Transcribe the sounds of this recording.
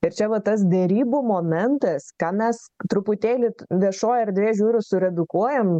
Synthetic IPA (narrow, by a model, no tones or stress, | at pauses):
ɪɾt͡ʃʲɛʋɐt̪ɐs̬d̪ʲɛɾʲiːbuːmoːmʲɛnt̪ɐskɑːmʲɛst̪ɾʊpʊt̪ʲeːlʲɪʋʲiɛʃoːjɐrd̪ʲʋʲeːʒʲuːɾʲʊsʊɾʲɛd̪ʊkuɔjɛm